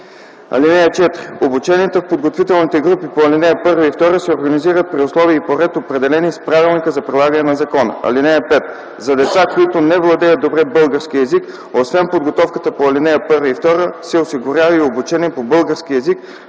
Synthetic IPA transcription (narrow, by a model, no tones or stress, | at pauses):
ɐ̰linɛjət͡ʃɛt̪ɾiobut͡ʃɛniɛt̪ofpod̪ɡot̪vit̪ɛlˠnit̪ɛɡɾupipoɐlinɛjəpɤɾvəift̪ɔɾəsɛoɾɡɐniziɾət̪̚pɾiʊslˠɔviəipoɾɛt̪opɾɛd̪ɛlɛnispɾavilˠnikəzɐpɾilˠaɡɐənɛnɐzɐkɔnə̰ɐ̰linɛjəpɛt̪ | zɐd̪ɛt̪sakoit̪onɛvlˠɐd̪ɛjət̪obɾɛbɤlˠɡəɾsk̟iɛzik | osvɛnpod̪ɡot̪ɔfkət̪əpoɐlinɛjəpɤɾvəift̪ɔɾəsɛosiɡʊɾʲjavəiobut͡ʃɛniɛpobɤlˠɡəɾsk̟iɛzik